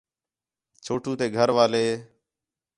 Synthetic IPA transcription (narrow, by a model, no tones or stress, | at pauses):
t͡ʃʰoːʈũːt̪eːɡʱəɾʋaːleː